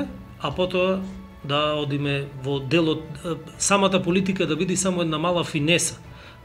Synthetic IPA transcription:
apɔt̪oa | d̪aɔd̪imɛvɔd̪ɛlˠɔt̪samat̪apolit̪ikad̪abid̪isamɔɛd̪namalˠafinɛsḁ

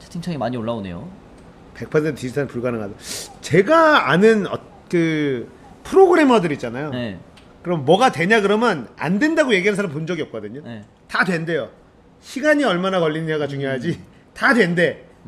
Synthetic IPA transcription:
t͡ɕʰḁtʰiŋt͡ɕʰʌŋimaɲioɭːaone̞̰jo̰ | pe̞k̚pʰʌsʰentʰt͡ɕid͡ʑitʰanpuɭɡanɯŋadot͡ɕe̞ɡaanɯnʌ̰ | kɯ | pʰɯɾoɡɯɾe̞mʌdɯɾit̚t͡ɕ͈anajoe | kɯɾʌmmːwʌɡatwe̞ɲaɡɯɾʌmjʌna̰ndwe̞ndaɡoje̞ɡiɦansʰaɾamp̬ond͡ʑʌɡiʌp̚k͈ʌdɯɲoe | tadwe̞nde̞jo | ɕʰiɡaɲiʌɭmanakʌʎːinɯnjaɡat͡ɕuŋjoɦad͡ʑi | tadwe̞nde̞

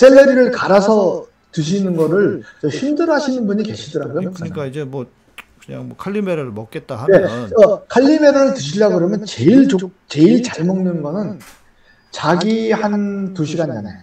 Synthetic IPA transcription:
sʰelːeɾiɾɯɭkaɾasʰʌ | tɯɕ̬ʰinɯnɡʌɾɯɭt͡ɕʌɕindɯɾɦaɕʰinɯnbuɲike̞ɕʰidʌɾaɡujomokɲik͈aid͡ʑemwʌ | kɯɲa̰ŋmʌkʰaʎːimeɾɯɾmʌk͈et̚t͈aɦae̞ʌkʰaʎːime̞ɾɯɾɯɭtɯɕʰiʎːaɡɯɾʌmjʌnt͡ɕe̞iɭt͡ɕokt͡ɕe̞iɭt͡ɕaɭmʌŋnɯnɡʌnɯn | t͡ɕaɡihantuɕʰiɡand͡ʑana̰jo

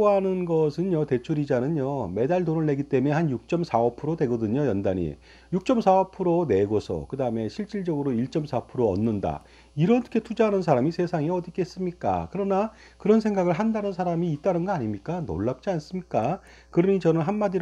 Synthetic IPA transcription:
ɦanɯnɡʌsʰɯnjʌte̞t͡ɕʰuɾid͡ʑanɯnjome̞daɭdonɯɭːe̞ɡit͈eme̞hanjuk̚t͡ɕ͈ʌmsʰaʌpʰɯɾode̞ɡʌdɯɲojʌndaɲḭ | juk̚t͡ɕ͈ʌmsʰaʌpʰɯɾone̞ɡosʰʌ̰kɯdaɯme̞ɕʰiɭt͡ɕ͈iɭd͡ʑʌɡɯɾoiɭt͡ɕ͈ʌmsʰapʰɯɾoʌ̰nːɯnda̰ | iɾʌkʰe̞tʰud͡ʑaɦanɯnsʰaɾamisʰe̞sʰaŋeʌdik͈e̞s͈ɯmɲik͈a̰kɯɾʌna | kɯɾʌnsʰe̞ŋɡaɡɯɭɦandanɯnsʰaɾamiːt͈anɯnɡʌaɲimɲik͈ano̰ɭːap̚t͡ɕ͈ians͈ɯmɲik͈a | kɯɾʌɲit͡ɕʌnɯnɦanmadiɾ

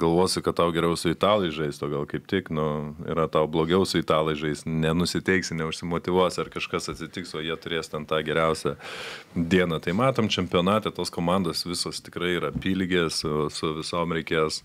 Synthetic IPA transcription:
ɡɐlˠʋoːsʲɪkɐt̪t̪ɐʊɡʲɛɾʲɛʊsʊɪt̪ɑːlˠɐɪʒɐɪst̪oːɡɐlˠkɐɪp̚t̪ʲɪknʊḭːɾɐt̪ɐʊblˠoːɡʲɛʊsʊɪt̪ɑːlˠɐɪʒɐɪst̪nʲɛnʊsʲɪt̪ʲɛɪksʲɪnʲɛʊʃʲsʲɪmoːt̪ʲɪʋuɔsʲɐrkɐʃkɐsɐt̪ʲsʲɪt̪ʲɪksoːjiɛt̪ʊɾʲeːstʲɛnt̪ɑːɡʲɛɾʲɛʊsʲɛ | d̪ʲiɛnɐt̪ɐɪmɑːt̪oːmt͡ʃʲɛmʲpʲɪoːnɑːt̪ʲet̪oːskoːmɑnd̪oːsʋʲɪsoːst̪ʲɪkrɐɪiːɾɐpʲiːlʲɪɡʲeːsosʊʋʲɪsoːmɾʲɛɪkʲeːs

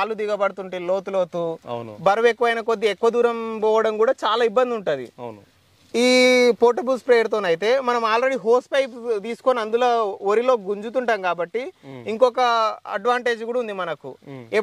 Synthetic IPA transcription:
lud̪iɡɐbɐɽut̪uɳʈeːlo̞ːt̪uloːt̪unbɐɾɐʋekːuʋɐjnɐkod̪ːiɛkːʋɐd̪uːɾɐmpɔːʋɐɽɐmkuːɽaːt͡ʃaːlaːibːɐnd̪iuɳʈund̪ḭn | iːpoːʈɐbuspɾeːɾt̪̬oːnɐjit̪e̞ːmɐnɐmaːlɾe̞ɽiɦoːsʈpɐjpt̪iːsu̥ko̞ːniɐnd̪uloːoɾilo̞ːɡuɲd͡ʒut̪̬uɳʈaːmkaːbɐʈːiiŋkɔkɐɐ̰ɖʋaːɳʈe̞ːd͡ʒɡuːɽɐund̪imɐnɐkueː

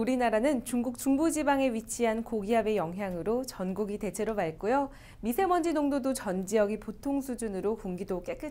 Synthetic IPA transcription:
uɾinaɾanɯnt͡ɕuŋɡuk̚t͡ɕ͈uŋbud͡ʑibaŋe̞ɥit͡ɕʰiɦankoɡiɦabe̞jʌŋɦjaŋɯɾot͡ɕʌnɡuɡite̞t͡ɕʰe̞ɾoɭmaɭk͈ojo | misʰe̞mʌnd͡ʑinoŋdodot͡ɕʌnd͡ʑiʌɡipotʰoŋsʰud͡ʑunɯɾokuŋɡidok͈e̞k͈ɯ

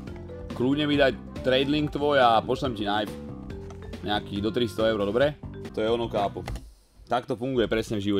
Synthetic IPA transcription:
kluːɲɛmid̪aj | t̪ɾɛjd̪liŋk̚t̪ʋɔjapɔʃlɛmcinajf | ɲakiːd̪ɔt̪ɾist̪ɔɛʊɾɔd̪ɔbɾɛt̪ɔjɛɔnɔkaːpu | t̪akt̪ɔfuŋɡujɛpɾɛsɲɛvʒiʋɔɛ

